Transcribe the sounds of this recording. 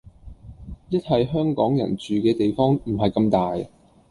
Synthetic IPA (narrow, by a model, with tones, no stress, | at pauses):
jɐ˥t̚hɐ˨jɦœː˥ŋkɔː˨˥ŋjɐ̰˨˩nt͡ʃyː˨kɛː˧t̪e˨jfɔː˥ŋm̩˨˩ɦɐ˨jkɐ˧mt̪aː˨j